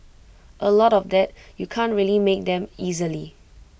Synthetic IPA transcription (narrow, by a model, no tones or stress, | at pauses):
ʔəlɔɾɔfdɛt̚jukʰãntɹiəlimek̚dɛ̃mizəli